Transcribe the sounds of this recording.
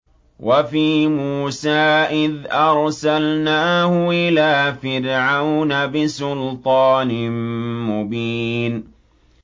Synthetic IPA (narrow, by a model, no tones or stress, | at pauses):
wʔafiːmuːsaːʔɪðʔɑɾˤsalnaːhʊʔɪlaːfɪɾʕawnabɪsʊlt̪ˤɑːnɪmmʊbiːn